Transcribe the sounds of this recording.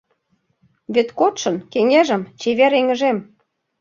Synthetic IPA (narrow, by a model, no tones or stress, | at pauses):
βet̪kot̪ʃɤ̆nkeŋeʒə̆mt͡ɕeβeɾeŋə̆ʒem